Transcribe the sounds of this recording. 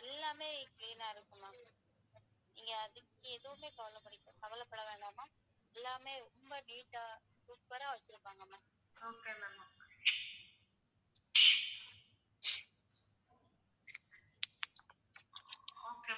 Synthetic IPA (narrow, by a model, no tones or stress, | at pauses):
ɛlːaːmeːkliːnaːɪɾɯkːɯmaː | ɪŋɡɐɐðɯkːɯɛðɯʋɯmeːkɐʋɐlɐpːɐɽɪkːɯ̃kɐʋɐlɐpːɐɽɐʋeːɳɖaːmaː | ɛlːaːmeːɔmbɐniːʈːa | suːpːɐɾaːʋɐt͡ʃːɪɾɯpːaːŋɡɐmaː | oːkːnɐ | oːke